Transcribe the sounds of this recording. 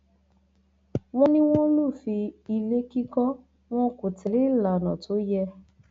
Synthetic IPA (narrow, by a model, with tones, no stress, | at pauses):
wɔ̃˦nĩ˦w̃ɔ̃˦lũ˦˨fi˧i˧le˦ki˦kɔ̃˦ | w̃ɔ̃˦ko˨tʰɛ˨le˨˦˨la˨nɔ̃˨to˨˦jɛ˧